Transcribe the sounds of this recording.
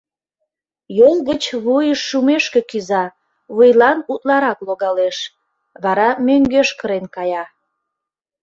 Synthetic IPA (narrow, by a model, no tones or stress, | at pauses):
jolˠɣət͡ɕβujəʃːumeʃkekyzɑ | βujlɑnut̪lɑɾɑkloɣɑleʃ | βɑɾɑmøŋɡøʃkəɾenkɑjɑ